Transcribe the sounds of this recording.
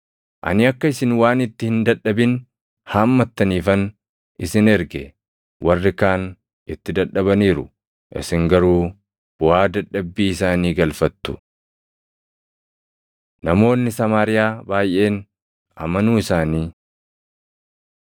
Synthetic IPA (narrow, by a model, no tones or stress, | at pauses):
ʔɐ̰nɪɐkːɐɪsɪnwaːnɪt̪ːɪhɪnd̪ɐᶑːɐbɪn | haːmːɐt̪ːɐniːfɐn | ʔɪsɪnɛɾɡɛ̰ | wʔɐrːɪkaːn | ʔɪt̪ːɪd̪ɐᶑːɐbɐniːɾʊ̰ | ʔɪ̰sɪŋɡɐɾuː | b̥ʊaːd̪ɐᶑːɐbːiːɪsaːniːɡɐlfɐt̪ːʊ̥ | nɐmo̞ːnːɪsɐmaːɾɪjaːbaːjʔe̞ːn | ʔɐmɐnuːɪsaːniː